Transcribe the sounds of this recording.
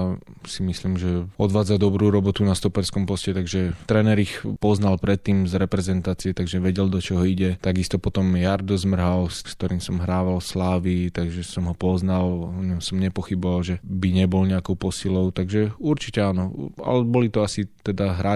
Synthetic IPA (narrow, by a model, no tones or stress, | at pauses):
simisliːmʒɛɔd̪ʋaːd͡zad̪ɔbɾuːɾɔbɔt̪unast̪ɔpɛɾskɔmpɔscɛt̪aɡʒɛt̪ɾɛːnɛɾixpɔznalpɾɛt̪ːiːmzɾɛpɾɛzɛnt̪aːt͡siɛt̪aɡʒɛʋɛɟɛld̪ɔt͡ʃɔɦɔiɟɛt̪aɡist̪ɔpɔt̪ɔmjaɾd̪ɔzmr̩ɦalskt̪ɔɾiːmsɔmɦɾaːʋalslaːʋit̪aɡʒɛsɔmɦɔpɔznalɔɲɔmsɔmɲɛpɔxibɔʋalʒɛbiɲɛbɔlɲɛakɔʊpɔsilɔʊt̪aɡʒɛuɾt͡ʃicɛaːnɔa̰lɛbɔlit̪ɔasit̪ɛd̪aɦɾa